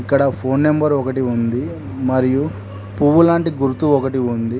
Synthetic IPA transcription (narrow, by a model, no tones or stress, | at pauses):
ikːɐɽɐpʰoːnːembɐɾɔkɐʈiund̪i | mɐɾiju | puʋulaːɳʈiɡuɾt̪uɔkɐʈiund̪i